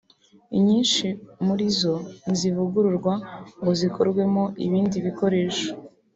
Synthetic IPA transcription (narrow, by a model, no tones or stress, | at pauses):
ḭɲiːnʃimuɾizo̞nzivuɡuɾuɾɡwaŋɡo̞zikʰo̞ɾɡwe̞moʔḭβiːndiβiko̞ɾe̞ːʃo̥